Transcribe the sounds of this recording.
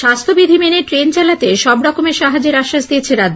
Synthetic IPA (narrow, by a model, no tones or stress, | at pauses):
ʃast̪ʰobid̪ʱimeneʈɾent͡ɕalat̪eʃɔbɾɔkomeʃaɦad͡ʑeɾaʃːaʃd̪ijet͡ɕʰeɾad̪ː